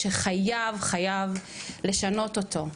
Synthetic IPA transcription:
eχajavχajav | le̞ʃano̞to̞tʰo̞

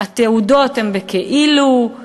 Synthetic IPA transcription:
at̪eudo̞t̪hembekeʔilu

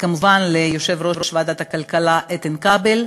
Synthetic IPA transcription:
kamuvanlejoʃevɾovɾoʃvad̪at̪akalkalaʔet̪enkabel

